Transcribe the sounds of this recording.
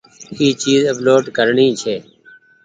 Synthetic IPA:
iːt͡ʃiːzəploːɖkəɾɳĩːt͡ʃʰeː

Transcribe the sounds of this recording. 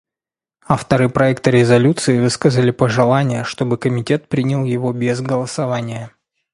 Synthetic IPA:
aft̪əɾɨpɾɐɛk̚t̪ɨɾʲɪzɐlʲut̪sɨɪvɨskəzəlʲɪpəʐɨlˠanʲɪjəʂt̪o̞bɨkəmʲɪtʲe̞t̪̚pɾʲinʲɪlˠjɪvo̞bʲezɡəlˠəsɐvanʲɪjə

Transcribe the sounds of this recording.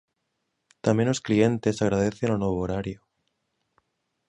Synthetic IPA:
t̪amjenosklient̪e̞saɣɾað̞eθenonoβooɾaɾjo

